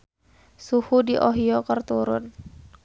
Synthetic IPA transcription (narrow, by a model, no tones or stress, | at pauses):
suhudiʔɔɦiɔkərt̪uɾʊ̰n